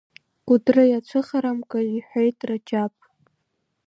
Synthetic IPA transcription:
ɡ̥ʷʊdrɨjat͡ʃʷʰɨχaɾamkʼaiħʷejtʼrad͡ʒapʼ

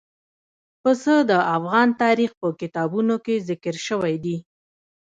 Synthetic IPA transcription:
pəsəd̪əafɣɑnt̪ɑɾixpəkɪt̪ɑbunokezɪkəɾʃəwajd̪i

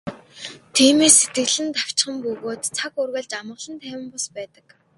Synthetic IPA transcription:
t̪ʰiːmeːsːet̪ɡɘ̆ɮɘ̆nt̪aw̥t͡ɕχə̆mpɵɣoːt̪t͡sʰakurɣæ̆ːɮt͡ɕamɢə̆ɮə̆nt̪ʰæːwʲɪ̆mpɔspæːt̪ə̥̆k

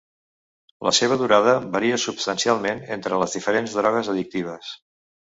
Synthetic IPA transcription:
lə̰seβ̞əðuɾaðəβəɾiəsupst̪ənsialˠmenent̪ɾələzðifəɾenzðɾɔɣ̞əzəðik̚t̪iβ̞əs

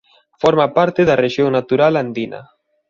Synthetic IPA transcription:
fɔɾmapaɾt̪eðareʃjoŋnat̪uɾaland̪inɐ̰

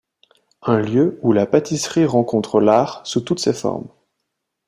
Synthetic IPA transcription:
ɛ̃ljøulapat̪isχiʁɑ̃kɔ̃t̪χəlaːʁsut̪ut̪sefɔ̰ʁm

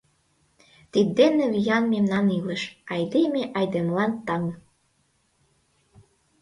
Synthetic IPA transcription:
t̪id̪ːenĕβijɑnmemnɑnilə̆ʃɑjd̪emeʔɑjd̪emlɑnt̪ɑŋ

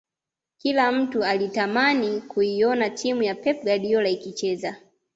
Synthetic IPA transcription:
kilam̩tualitamanikʰuijɔnatʰimujapɛp̚ɡaɗiɔlaikit͡ʃɛza

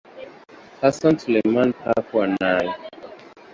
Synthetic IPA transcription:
hasɔ̃ntlemanhakuanaji

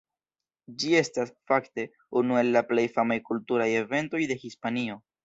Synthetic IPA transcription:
d͡ʒie̞stasfakte̞ | unue̞lːaple̞jfamajkultuɾaje̞ve̞nto̞jde̞hispanio̞

